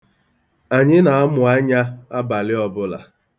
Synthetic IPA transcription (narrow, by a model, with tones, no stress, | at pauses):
a˨ɲɪ˦na˨a˦mʊ˨a˦ɲa˦a˦ba˨lɪ˦ɔ˨bʊ˦la̰˨